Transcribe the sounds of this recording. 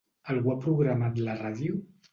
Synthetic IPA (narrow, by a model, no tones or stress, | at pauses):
alɣuapɾuɣɾamat̪laraðju